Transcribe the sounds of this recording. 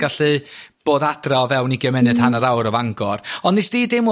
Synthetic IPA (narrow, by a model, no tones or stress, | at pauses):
ɡ̥aɬɨb̥oːdad̥raɔvɛwniɡjəmɛnɨd̥hanəɾawɾɔvaŋɡɔrɔndnɪsd̥iːdemʊ